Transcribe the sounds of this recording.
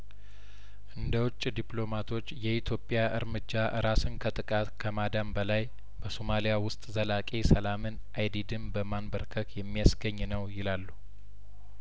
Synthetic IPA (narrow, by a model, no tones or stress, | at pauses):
ʔɨnd̪əwʊt͡ʃʼːd̪ipʼlo̞mat̪ʰo̞t͡ʃːjɛit̪ʰjopʼjaʔɨ̰ɾmɨd͡ʒːaʔɨ̰ɾasɨnkʰət̪ʼɨkʼat̪kʰəmad̪ambəlaj | b̥əsomalijawʊst̪ʼzəlakʼesəlamɨnʔajd̪id̪ɨmbəmanbəɾkʰəkjɛmːijasɡəɲːnəwjɪlalːu